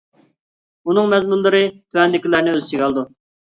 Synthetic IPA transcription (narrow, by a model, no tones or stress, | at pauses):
unɨŋmɛzmulˠːɨɾɨt̪ʰuɛnd̪ɪkʲilæɾnɪøzt͡ʃʰiɡɑlˠd̪u